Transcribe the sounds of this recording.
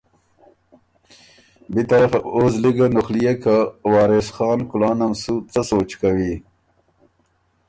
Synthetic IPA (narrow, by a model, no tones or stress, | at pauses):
bit̪ɐɾafaoːzliɡanuxlijekawɑːɾesxɑːnkʊlɑːnamsut͡sasoːt͡ʃkawi